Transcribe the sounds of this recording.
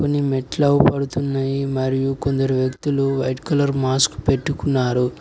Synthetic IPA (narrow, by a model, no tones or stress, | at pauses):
konːimeʈlɐwupɐɽut̪unːajimɐɾijuko̞nd̪ɐɾuʋjɐkt̪uluʋɐjʈkɐlɐɾmaːskpe̞ʈːukunːaːɾu